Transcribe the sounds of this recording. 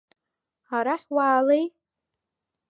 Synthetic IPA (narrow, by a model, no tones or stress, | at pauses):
aɾaħwaʕːlej